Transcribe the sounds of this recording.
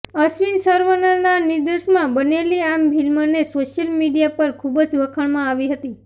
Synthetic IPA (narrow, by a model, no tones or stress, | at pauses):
əsʋinsəɾʋənəɾnanid̪əʃmãbəneliambʱilmənesoʃjəlmiɖijapəɾkʰubəd͡ʒʋəkʰəɳmãaʋiɦət̪i